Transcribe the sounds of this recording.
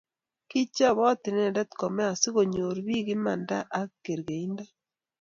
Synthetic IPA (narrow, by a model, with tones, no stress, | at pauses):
ki˦t͡ʃa˦βɔ˦ti˨nɛ˦˨ndɛ˦tkɔ˨mɛ˦a˨si˦ɣo˨ɲo˨ɾβi˦ɣi˦ma˨nda˦ʔa˦kːe˨ɾɣe˨i˦nda˦